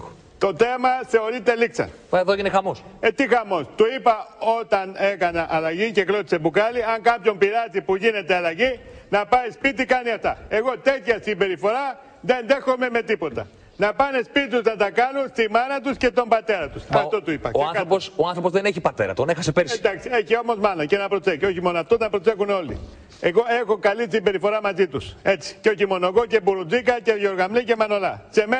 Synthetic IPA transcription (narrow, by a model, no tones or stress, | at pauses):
t̪o̞θe̞mɐθe̞o̞ɾit̪e̞liksɐ̰n | ɐeðoeʝinexɐmo̞set̪ixɐmo̞st̪uipɐo̞t̪ɐne̞kɐnɐʔɐlɐʝiceklo̞t̪i̥se̞bukɐliɐŋkɐpço̞mpiɾɐt̪ipuʝine̞t̪eɐlɐʝinɐpɐispit̪̬ikɐniɐft̪ɐe̞ɣo̞t̪e̞t̪çɐsimbe̞ɾifo̞ɾɐ | ðe̞nðe̞xo̞me̞me̞t̪ipo̞t̪ɐ̰ | nɐpɐnespit̪uznɐt̪ɐkɐnunst̪imɐnɐt̪usce̞t̪o̞mbɐt̪e̞ɾɐt̪usɐfo̞t̪uipɐ̰osɐnkɾoposoɐnθɾopo̞zðeneçipɐt̪e̞ɾɐt̪onexɐsepeɾsed̪ɐksieçio̞mo̞zmɐnɐce̞nɐpɾot͡seko̞çimo̞noɐft̪ot̪ɐpɾose̞xuneo̞lḭ | e̞ɣo̞e̞xo̞kɐlist̪imbe̞ɾifo̞ɾɐmɐzit̪use̞t͡si̥ceo̞çimo̞noɣo̞ce̞buɾud͡zikɐceʝo̞ɾɣɐmlice̞mɐno̞lɐse̞me